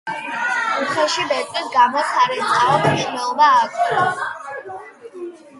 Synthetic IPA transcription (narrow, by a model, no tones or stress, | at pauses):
uχʰɛʃibɛt̪ʼisɡamɔsaɾɛtʰʼaɔt̪ʰniʃwnɛlˠɔbaːkʼɔ